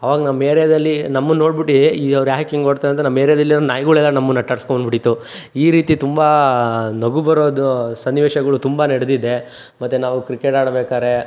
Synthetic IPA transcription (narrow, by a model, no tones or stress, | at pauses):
ɐʋaːɡɐnɐmːeːɾɛjɐd̪ɐlːinɐmːɐno̞ːɽbiʈːiiɐʋɾjaːɦkiŋɡkoɽt̪aːeɐnt̪ːɐnɐmːeːɾɛjɐd̪ɐlːiɾnaːjɡuɭɛlːɐnɐmːɐnːɐʈːɐɽskonbiɽit̪ːuiːɾiːt̪it̪umbɐnoɡubɐɾoːd̪usɐnːiʋeːʃɐɡɐɭut̪umbɐneɽed̪id̪e̞ | mɐt̪ːenaːʋukɾikeʈaːɽɐbeːkaːɾe̞